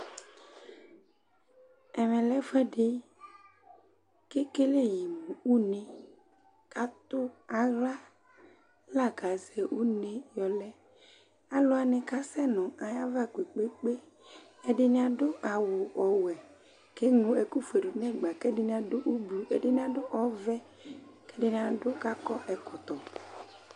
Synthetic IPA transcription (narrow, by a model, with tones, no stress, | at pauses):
ɛ˨mɛ̃˨lɛ˦fɛ˦ɖe˦ | ke˦ke˦le˦ji˨mũ˨u˦nẽ˨ | ka˦t̪o˦a˨ɣla˦ | la˦ɡa˨zɛ˨wu˦nẽ˦jɔ˨lɛ˦ | a˨lo˦a˨nɛ̃˨ka˦sɛ˦nɔ̃˨a˨ja˦va˦kʷe˨k͡pe˦k͡pe˦ | e˦ɖe˦nĩ˦ã˨ɖo˦ʔa˨wo˨ɔ˨wɛ˨ | ke˦ŋũ˨e˨ku˦fe˨ɖu˨nɛ̃˦ɡ͡ba˨ke˦de˦nĩ˦ã˦ɖo˦ʔu˦blu˨e˦de˦nĩ˦ã˦do˦ʔɔ˦vɛ˦ | ke˦ɖe˦nĩ˨ã˨ɖo˦ka˦kɔ˦ʔɛ˨kɔ˨t̪ɔ˨